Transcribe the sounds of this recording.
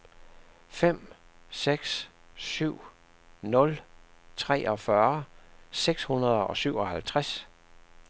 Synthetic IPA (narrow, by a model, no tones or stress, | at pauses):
fem̰ | seɡ̥s | syʊ̰ | nɔ̽lt͡sʰʁɛ̰ːʔɒ̽fɶɐseɡ̥shunɐð̞ˠɒ̽syʊ̰ɒ̽hælt͡sʰʁas